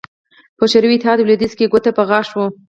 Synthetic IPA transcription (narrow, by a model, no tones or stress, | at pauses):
pəʃaɾwit̪ɪɦɑd̪wled̪izkeɡot̪apəɣɑʃwo